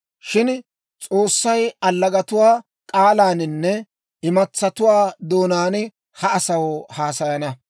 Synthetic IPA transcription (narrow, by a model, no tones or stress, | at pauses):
ʃɪn | t͡sʼo̞ːsːɐjɐlːɐɡɐt̪ʊwaː | kʼaːlaːnɪnːɛ | ɪmɐt͡sːɐt̪ʊwaːd̪o̞ːnaːn | hɐɐsɐwhaːsɐjɐnɐ